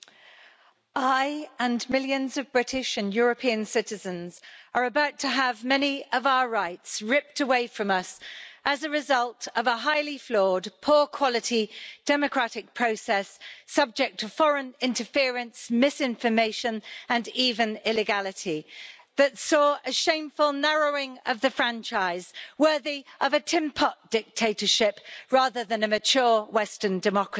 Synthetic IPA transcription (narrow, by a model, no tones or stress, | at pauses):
ʔaɪə̃nmɪljə̃nzəvbɹɪtʰɪʃə̃njɔːɹəpʰiə̃nsɪtɪzə̃nz̥əɹəbaʊtʰəːvmɛniəvaʊəɹaɪtsɹɪp̚təweɪfɹə̃mʌsʔəzəɹɪzʌlˠtəvəɦaɪliflɔːdpʰɔːkʰw̥ɒlɪtʰid̥ɛməkʰɹ̥atɪk̚pʰɹ̥əʊsɛsːʌb̚d͡ʒɛk̚tʰəfɒɹə̃nɪ̃ntəfɪəɹə̃nsmɪsɪ̃ɱfəmeɪʃə̃nə̃niːvə̃nɪlɪɡalɪtʰiðətsɔːʔəʃẽɪ̃ɱfəlˠnɛɹəʊɪ̃ŋəvðəfɹãnt͡ʃaɪz̥wɜːðiʔəvətʰɪ̃mpʰɒʔ̚d̥ɪk̚tʰeɪtə˞ʃɪpɹɑːðəðə̃nəmɨt͡ʃʰʊːwɛstə˞ndɨmɑkɹə